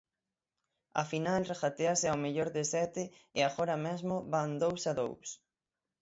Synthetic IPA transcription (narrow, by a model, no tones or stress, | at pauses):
ɐ̰finalrexat̪easɪawmeʎoɾðɪsɛt̪ɪɪaɣɔɾɐmɛzmʊβand̪owsaðo̰ws